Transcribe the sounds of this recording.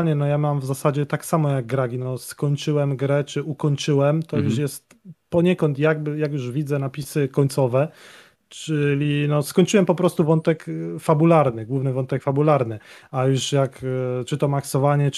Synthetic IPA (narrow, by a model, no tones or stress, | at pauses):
ɲɛnɔjamamvzasad͡ʑɛt̪aksamɔjaɡ̚ɡɾaɡʲinɔskɔɲt͡ʂɘwɛmɡɾɛt͡ʂɘukɔɲt͡ʂɘwɛmt̪ɔjuʂjɛst̪ | pɔɲɛkɔnt̪jaɡ̚bjakjuʐvʲid̪zɛnapʲisɘkɔɲt̪sɔvɛ | t͡ʂɘlʲinɔskɔɲʲt͡ʂɘwɛmpɔpɾɔst̪uvɔnt̪ɛkfabulaɾnɘɡwuvnɘvɔnt̪ɛkfabulaɾnɘajuʂjakt͡ʂɘt̪ɔmaksɔvaɲɛ